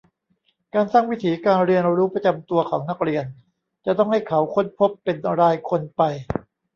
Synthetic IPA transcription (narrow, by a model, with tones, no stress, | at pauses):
kaː˧nsaː˥˩ŋwi˦˥t̪ʰiː˩˦kaː˧nɾi˧ənɾuː˦˥pɾa˧t͡ɕa˧mt̪u˧ɐkʰɔː˩˦ŋna˦˥k̚ɾi˧ən | t͡ɕa˨˩t̪ɔ˥˩ŋha˥˩jkʰa˩˦wkʰo˦˥˩npʰo˦˥pːe˧nɾaː˧jkʰo˧npa˧j